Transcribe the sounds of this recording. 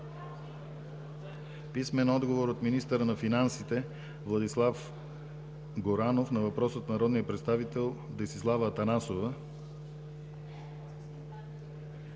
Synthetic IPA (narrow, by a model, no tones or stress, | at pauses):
pismɛnɔd̪ɡovoɾot̪minist̪əɾənɐfinansit̪ɛ | vlˠɐd̪islˠaf | ɡoɾanofnɐvɐpɾɔsət̪nɐɾɔd̪nijəpɾɛt̪st̪avit̪ɛlˠd̪ɛsislˠavəːt̪ɐnasovə